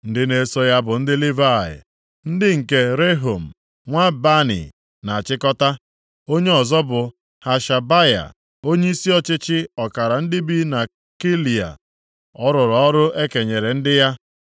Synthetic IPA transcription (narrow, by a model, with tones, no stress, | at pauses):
n̩˦dɪ˦ne˦so˦ja˦bʊ˨n̩˦dɪ˦li˦va˦˨ɪ̰˨ | n̩˦dɪ˦ŋ̩˨ke˦ɾe˦ɦo˨m̩˨ | ŋʷa˦ba˦nḭ˨ | na˨a˨t͡ʃɪ˦kɔ˦ta˦ | o˦ɲe˦ɔ˨zɔ˦bʊ˨ | ha˨ʃa˨ba˦ja̰˨ | o˦ɲe˦i˦si˦ɔ˦t͡ʃɪ˦t͡ʃɪ˦ɔ˨ka˨ɾa˨n̩˦dɪ˦bi˦na˨ | ki˦li˨a̰˨ | ɔ˦ɾʊ˨ɾɔ˨ɔ˦ɾʊ˦ʔe˦ke˨ɲe˨ɾe˨n̩˦dɪ˦ja˦